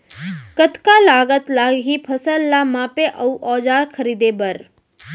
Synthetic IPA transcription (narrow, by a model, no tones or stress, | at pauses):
kət̪kalaːɡət̪laːɡɦipʰɐsəlːamãpeʔɐuʔɔːd͡ʒaːɾkʰəɾiːd̪ebɐɾ